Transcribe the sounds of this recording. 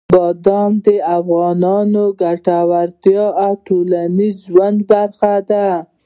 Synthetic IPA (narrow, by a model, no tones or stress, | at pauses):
bɑd̪ɑmd̪əafɣɑnɑnoɡaʈawaɾt̪jɑawʈolanizʒwand̪baɾxad̪a